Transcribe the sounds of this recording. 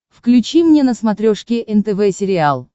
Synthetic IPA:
fklʲʉt͡ɕimnʲenəsmɐt̪ɾʲoʂkʲɪʔɛnt̪ɛvɛsʲɪɾʲɪalˠ

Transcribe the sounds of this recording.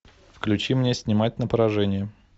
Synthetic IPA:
fklʲʉt͡ɕimnʲesʲnʲɪmat̚ʲnəpəɾɐʐɛnʲɪjə

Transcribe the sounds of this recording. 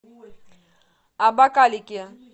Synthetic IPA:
abakalikia

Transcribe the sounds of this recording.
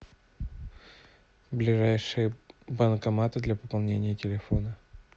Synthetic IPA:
blʲɪʐajʂɨjəbənkɐmat̪ɨd̪lʲɐpəpɐlˠnʲenʲɪjətʲɪlʲɪfo̞nə

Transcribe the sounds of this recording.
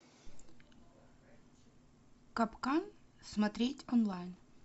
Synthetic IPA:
kɐpkansmɐt̪ɾʲetʲɔnlˠajn

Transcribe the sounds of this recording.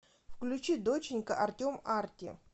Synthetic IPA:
fklʲʉt͡ɕid̪ot͡ɕɪnʲkəʔɐrtʲomartʲɪ

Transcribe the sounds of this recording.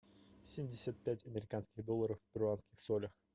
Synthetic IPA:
sʲemʲdʲɪsʲət̪̚pʲætʲɐmʲɪɾʲɪkanskʲɪɣd̪olˠːəɾəfːpʲɪɾʲʊanskʲɪxsolʲəx

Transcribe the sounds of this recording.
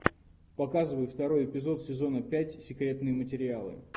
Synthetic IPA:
pɐkazɨvəjɪft̪ɐɾo̞jɪpʲɪzo̞t̪sʲɪzo̞nəpʲætʲsʲɪkɾʲe̞t̪nɨjəmətʲɪɾʲɪalˠɨ̰

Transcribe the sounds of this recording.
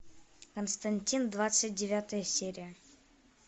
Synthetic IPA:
kənst̪ɐnʲtʲind̪vat̪sɨt̚ʲdʲɪvʲat̪əjəsʲeɾʲijə

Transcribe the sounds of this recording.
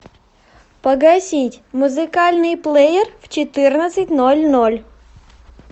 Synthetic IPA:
pəɡɐsʲitʲmʊzɨkalʲnɨjplˠejɪrft͡ɕɪt̪ɨrnət̪sɨtʲnolʲnolʲ

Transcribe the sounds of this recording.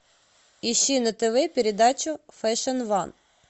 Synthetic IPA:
iʃinɐt̪eʋɪpʲeɾʲed̪ɑt͡ʃʊfɛʃɐnʋɑn

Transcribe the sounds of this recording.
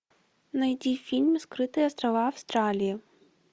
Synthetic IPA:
nɐjd͡zʲifʲilʲmskɾɨt̪ɨjɐst̪ɾɐvaɐwst̪ɾalʲiji

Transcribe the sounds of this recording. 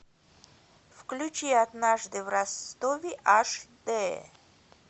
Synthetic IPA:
fklʲut͡ʃiad̪naʐd̪ɨvɾast̪ovʲiʔaʂd̪ɛ

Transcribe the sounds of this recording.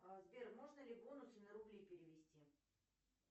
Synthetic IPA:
əzbʲermoʐnəlʲɪbonʊsɨnʲəɾʊblʲipʲɪɾʲɪvʲɪsʲtʲi

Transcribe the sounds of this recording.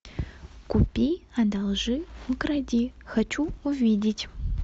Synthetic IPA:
kupʲijad̪alˠʐɨukradʲixat͡ʃuuvʲidʲɪtʲ

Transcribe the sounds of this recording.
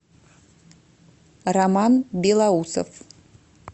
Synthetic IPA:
ramanbelauso̰f

